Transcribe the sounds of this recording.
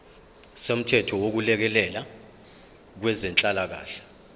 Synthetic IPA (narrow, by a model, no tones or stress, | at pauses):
som̩tʰɛtʰɔwok̬ulɛk̬ɛlɛla | k̬wɛzɛnt͡ɬʼalak̬a̰ːɬɛ̥